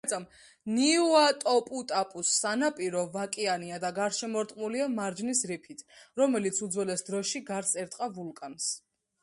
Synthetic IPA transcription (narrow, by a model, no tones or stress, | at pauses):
t̪sʼam | niuat̪ʼɔpʼut̪ʼapʼusːanapʼiɾɔvakʼianiad̪aɡaɾʃɛmɔɾt̪ʼqʼmuliamaɾd͡ʒnisɾipʰit̪ʰɾɔmɛlit̪sʰud̪zwɛlɛsd̪ɾɔʃiɡaɾt̪sʼɛɾt̪ʼqʼavulkʼans